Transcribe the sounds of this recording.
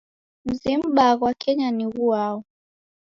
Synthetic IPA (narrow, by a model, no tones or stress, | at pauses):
m̩zim̩ɓaɣwakʰɛɲaniɣuaɔ